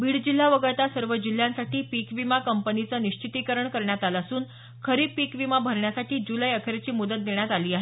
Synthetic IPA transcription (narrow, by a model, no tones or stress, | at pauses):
biːɽd͡ʑil̤ːaʋəɡəɭt̪asəɾʋəd͡ʑil̤ːjãnsaʈiːpikʋimakəmpənit͡səniɕt͡ɕit̪ikəɾəɳkəɾɳjat̪alasuːn | kʰəɾiːpikʋimabʱəɾɳjasaʈiːd͡ʑuləjəkʰəɾet͡ɕiːmud̪ət̪̚d̪eɳjat̪aliːaɦe